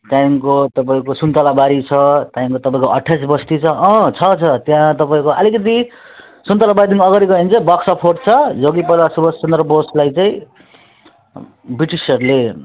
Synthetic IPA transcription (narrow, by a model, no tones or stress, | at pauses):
t̪jãiŋkot̪ʌpaĩkosunt̪alabaɾit͡sʰʌt̪jaiŋkot̪ʌpãĩkoʔʌʈʰːjas̬bʌst̪it͡sʰʌʌ̃t͡sʰʌt͡sʰʌt̪jãt̪ʌpaĩkoʔʌlikʌt̪̬i | sunt̪alabaɾid̪iŋʌɡʌɾiɡʌint͡sʰʌbʌksʌpʰoʈt͡sʰʌd͡zoɡipʌlasubʌssʌnd̪rʌboslajt͡sãĩ | biʈisʌrle